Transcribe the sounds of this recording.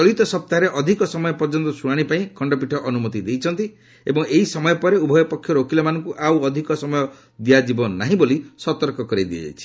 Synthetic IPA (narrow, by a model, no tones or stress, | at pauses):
t͡ʃɔlit̪ɔsɔp̚t̪aɾeʔɔd̪ʱikɔsɔmɔjɔpɔɾd͡ʒɔnt̪ɔsuɽ̃aɽ̃ipaĩkʰɔɳɖɔp̬iʈʰɔʔɔnumɔt̪id̪ejt͡ʃʰɔnt̪i | ebɔŋeɦisɔmɔjɔpɔɾeubʱɔjɔpɔkʰːjɔɾokilɔmanɔŋkuʔawɔd̪ʱikɔsɔmɔjɔ | d̪iad͡ʒibɔnaɦĩbolisɔt̪ɔɾkɔkɔɾid̪iḛḛt͡ʃʰi̥